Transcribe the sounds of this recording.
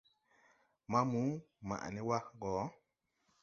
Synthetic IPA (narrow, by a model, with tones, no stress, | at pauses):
ma˦mu˨˦ma̰˨ʔa̰˨ni˦wa˦kɡɔ˨˦